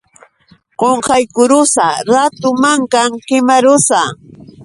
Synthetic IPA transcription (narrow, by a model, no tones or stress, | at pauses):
ɢoɴqɑjkʊɾʊsaɾat̪ʊmaŋkaŋqɪmaɾʊsa